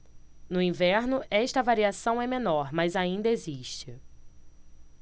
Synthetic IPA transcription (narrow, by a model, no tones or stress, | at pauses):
nʊĩvɛɾnʊʔɛʃt̪ɐvaɾiasɐ̃w̃ɛmẽnɔɾmɐzaĩnd̪ɐeziʃt͡ʃɪ